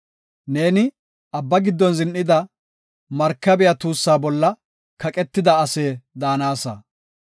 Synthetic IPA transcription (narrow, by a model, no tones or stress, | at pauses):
ne̞ːnɪ | ʔɐbːɐɡɪd̪ːɔnzɪnʔɪd̪ɐ | mɐɾkːɐbɛjɐt̪uːsːaːbɔlːɐ | kɐkʼɛt̪ːɪd̪ɐːse̞ːd̪aːnaːsɐ̰